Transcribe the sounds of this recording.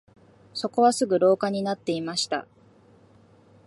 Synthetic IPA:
so̞ko̞βasɨɡɯ̟ɾo̞ːkaɲ̟inat̪ːe̞imaɕi̥t̪a̰

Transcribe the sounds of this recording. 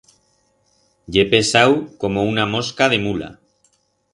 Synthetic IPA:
ʎe̞pe̞sawko̞mo̞unamo̞skað̞e̞mula̰

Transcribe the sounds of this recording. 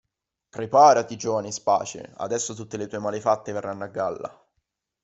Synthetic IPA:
pɾepaːɾat̪id͡ʒoːvanispa̰ːt͡ʃḛa̰d̪ɛsːot̪ut̪ːelet̪uːemaːlefat̪ːeverːanːoaɡːalːa̰

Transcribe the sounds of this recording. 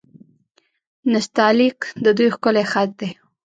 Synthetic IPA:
nɪst̪ɑlikd̪əd̪ujxkʊlexat̪̚d̪e

